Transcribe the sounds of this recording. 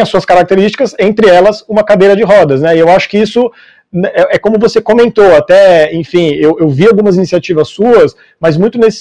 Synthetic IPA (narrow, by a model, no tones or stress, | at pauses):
ɐsuɐskaɾak̚t̪eɾist͡ʃi̥kɐzẽnt̪ɾɪɛlɐsũmɐkad̪ejɾɐd͡ʒɪɦɔd̪ɐznɛɪewaʃʊ̥kɪisʊ | ɛʔɛkõmʊvosekõmẽnt̪oat̪ɛẽfĩewewviawɡũmɐzinisiat͡ʃivɐsuɐs | mɐzmũj̃t̪ʊnesɪ̥